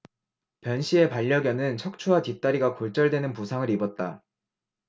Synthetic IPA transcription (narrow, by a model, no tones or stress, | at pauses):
pjʌnɕʰie̞paʎːʌɡjʌnɯnt͡ɕʰʌk̚t͡ɕʰuɦatip̚t͈aɾiɡakoɭt͡ɕ͈ʌɭdwe̞nɯnpusʰaŋɯɾibʌt̚t͈a